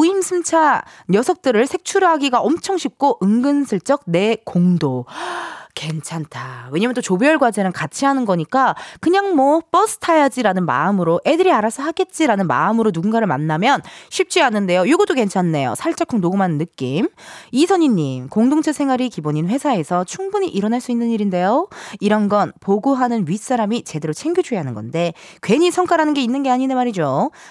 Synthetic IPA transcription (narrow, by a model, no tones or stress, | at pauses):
uimsʰɯmt͡ɕʰaɲjʌsʰʌk̚t͈ɯɾɯɭsʰe̞k̚t͡ɕʰuɾɯɦaɡiɡaʔʌmt͡ɕʰʌŋɕʰik̚k͈ʰoʔɯŋɡɯnsʰɯɭt͡ɕ͈ʌk̚ne̞koŋdo | ke̞nt͡ɕʰantʰawe̞ɲamʌntot͡ɕobejʌɭɡwad͡ʑenɯnkat͡ɕʰiɦanɯnɡʌɲik͈akɯɲaŋmwʌp͈ʌsʰɯ̥tʰajad͡ʑiɾanɯnma̰ɯmɯɾoʔe̞dɯɾiaɾasʰʌhaɡe̞t̚t͡ɕ͈iɾanɯnma̰ɯmɯɾonuɡunɡaɾɯɭma̰nːamjʌnɕʰip̚t͡ɕ͈ianːɯnde̞jojoɡudoke̞nt͡ɕʰanːejo̰sʰaɭt͡ɕ͈akʰɯŋnoɡumanɯnːɯk͈imisʰʌɲinːimkoŋdoŋt͡ɕʰesʰe̞ŋɦaɾikiboɲinɸwe̞sʰae̞sʰʌt͡ɕʰuŋbuɲiʔiɾʌnaɭs͈uinːɯɲiɾinde̞joiɾʌnɡʌnpoɡuɦanɯnɥis͈aɾamit͡ɕe̞de̞ɾot͡ɕʰe̞ŋɡjud͡ʑuɦanɯnɡʌ̰nde̞ | kwe̞ɲisʰʌŋk͈ʰaɾanɯnɡe̞inːɯnɡe̞aɲinemaɾid͡ʑo